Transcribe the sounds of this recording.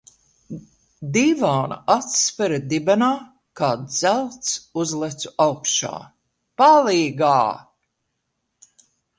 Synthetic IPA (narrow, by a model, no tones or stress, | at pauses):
d̪iːvaːna̰at̪spɛɾad̪ibɛnaː | kaːd̪z̥ælˠt̪suzlˠɛt̪su̥awkʃa̰ː | paliːɡaː